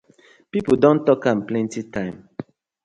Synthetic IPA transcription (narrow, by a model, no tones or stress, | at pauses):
pipodõntɔkãmplɛ̃ntitʰãɪ̃m